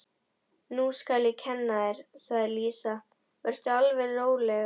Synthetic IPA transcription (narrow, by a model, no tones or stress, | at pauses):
nuskaljɛcʰɛnːaɛɾ̥saɣðɪliːsa | vœr̥t̪ʏalvɛnoːwlɛɣa